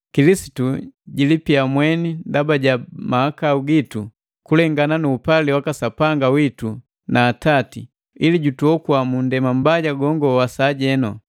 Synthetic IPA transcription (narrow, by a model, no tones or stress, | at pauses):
kilisi̥tuɟilipiamwɛnindabaɟamaakauɡitu | kulɛŋɡananuːpaliwakasapaŋɡawitu | naːtatḭ | iliɟutuɔkuamundɛmam̩baɟaɡɔŋɡɔwasaːɟɛnɔ